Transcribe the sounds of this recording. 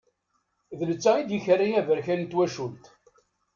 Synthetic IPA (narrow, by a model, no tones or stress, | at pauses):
ðələt͡sːæid̪jəçərːijævəɾçænt̪ːwæʃult̪